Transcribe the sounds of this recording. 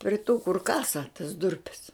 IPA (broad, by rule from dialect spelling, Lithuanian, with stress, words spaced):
pʲrʲɪ tuː kʊr ˈkɑːsɐ tɐs ˈdʊrʲpʲɛs